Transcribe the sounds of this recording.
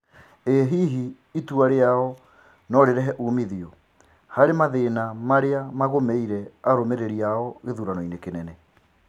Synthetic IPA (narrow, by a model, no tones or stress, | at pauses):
eɦiɦiː | tuaɾeaɔ | nɔɾeɾɛɦɛʔumiðio | haɾemaðenamaɾeamaɣomeiɾɛaɾomeɾeɾiaɔɣeðuɾanɔinekenɛnɛ